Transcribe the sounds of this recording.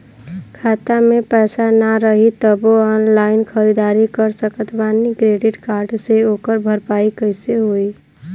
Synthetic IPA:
kʰat̪amepɛːsanaɾəɦit̪əboɔnlaɪnkʰəɾid̪aɾikəɾsəkət̪ʋanikɾeɖiʈkaɾɖseokəɾbʱəɾpaikəɦɪseɦoi

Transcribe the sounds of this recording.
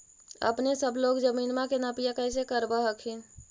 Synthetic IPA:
ə̰pnesəbʱloɡd͡ʒəminmakenapijakəjsekəɾbəɦəkʰin

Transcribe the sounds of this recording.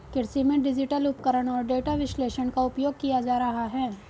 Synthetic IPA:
kɪɾsimẽɖɪd͡ʒɪʈəlʊpkəɾəɽ̃ɔːɾɖeːʈaʋɪʃleːʃənkaʊpjoːɡ̚kijad͡ʒaːɾɐɦaɦɛː

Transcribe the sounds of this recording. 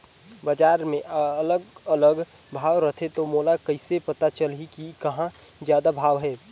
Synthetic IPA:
bəd͡ʒaːɾmẽʔələɡələɡ | bʱaːʋɾət̪ʰet̪omoːlakəɪsepət̪at͡ʃəlikikɐɦã | zjaːd̪abʱaːʋɦɛː

